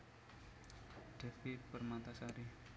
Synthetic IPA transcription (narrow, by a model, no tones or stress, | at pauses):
ɖ̥ɛfipərmat̪asaɾi